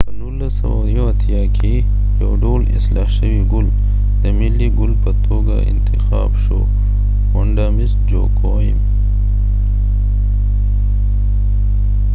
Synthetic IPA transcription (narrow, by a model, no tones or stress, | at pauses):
pənunlːasɐ̰wajoat̪ʰijɑkʰe | jawɖolɪ̰slɑʃəwiɡʊl | d̪əmɪlːiɡʊlpət̪ʰoɡa̰ʔɪ̰nt̪ɪxɑ̰ːbʃo̰ | wʊɳɖamisd͡ʒo̰ko | im